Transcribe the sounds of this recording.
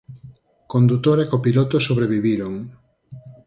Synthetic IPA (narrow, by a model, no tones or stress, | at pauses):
kond̪ut̪oɾekopilot̪osoβɾeβiβiɾoŋ